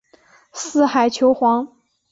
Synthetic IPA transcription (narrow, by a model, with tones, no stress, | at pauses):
sɹ̩˥˩xa˨˩ɪt͡ɕʰjo˧˥ʊxwɑ˧˥ŋ